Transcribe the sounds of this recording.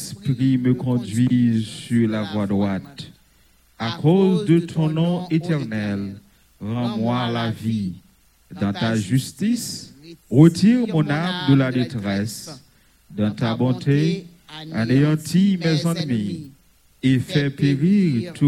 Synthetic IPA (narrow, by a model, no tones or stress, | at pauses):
spʁiməkɔ̃dɥizsyʁlavwadʁwat̪ | akʰozdət̪ʰɔ̃nɔ̃etɛʁnɛl | ʁɑ̃mwalavi | d̪ɑ̃t̪aʒyst̪isʁətiʁmɔ̃namd̪əladetʁɛs | d̪ɑ̃t̪abɔ̃t̪e | a̰neɑ̃tʰimɛzɑ̃nmi | efɛpeʁiʁt̪ʰu